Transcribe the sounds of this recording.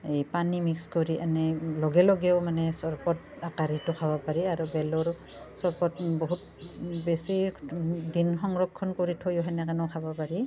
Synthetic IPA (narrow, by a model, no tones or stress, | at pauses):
ejpanimikskoɹiʔanɛlɔɡɛlɔɡɛʊmanɛsɔɹpɔt | akaɹitɔkʰabapaɹiaɹubɛlɔɹ | sɔɹpɔtbɔɦut̚ | bɛsi | dinxɔŋɹɔkʰːɔnkoɹitʰɔjɔɦanɛkanɔkʰabɔpaɹi